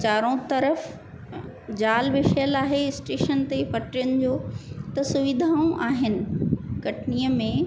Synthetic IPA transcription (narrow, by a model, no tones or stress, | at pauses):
t͡ɕaːɾõt̪ɐɾəf | d͡ʑaːlʋɪʃəjəlaːɦeɪsʈeːʃənt̪epɐʈɾɪjʊnɪd͡ʑoːt̪ɐsʊʋɪd̪ʱaːõʔaːɦɪnɪ̆kɐʈʰnijəmẽ